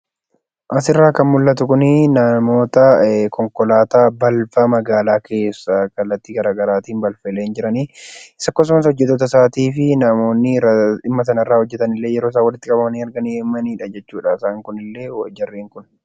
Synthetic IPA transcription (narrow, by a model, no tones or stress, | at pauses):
ʔɐs̬ɪrːaːkɐnmʊlːɐt̪ʊkʊnɪnɐmo̞ːt̪ɐkɔŋkɔlaːt̪aːbɐlfɐmɐɡaːlaːkʰe̞ːsːɐkɐlːɐt̪ːiːɡɐɾaːɡɐɾaːt̪iːnbɐlfɛleːnd͡ʒɪɾɐniːɪsɐkːoːs̬ʊmɐs̬hɔd͡ʒːɛt̪ːo̞ːt̪ɐsaːt̪iːfɪnɐmo̞ːnːɪɪmːɐsɐnɐɪrːaːhɔd͡ʒːɛt̪ɐnɪlːeːjɛɾoːs̬aːwɐlɪt̪ːɪkʼɐbɐmɐniːɐɾɡɐnimːɐniːᶑɐd͡ʒɛt͡ʃːuːᶑaɪsaːŋkʊnɪlːe̞ːd͡ʒɐrːeːŋkʊn